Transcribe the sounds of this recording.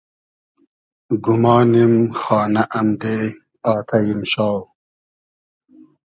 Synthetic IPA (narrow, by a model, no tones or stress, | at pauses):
ɡumɑːnimxɑːnaʔɐmd̪eː | ɑːt̪ʰɐjimɕɑːw